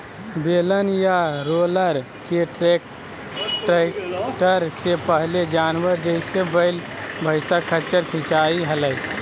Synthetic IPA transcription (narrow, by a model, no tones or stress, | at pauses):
belənjaɾoləɾ | keʈɾek | ʈʈəɾsepəɦled͡ʒanʋəɾd͡ʒəɪsebəɪl | bʱəɪsakʰət͡ʃəɾkʰĩt͡ʃaiɦələj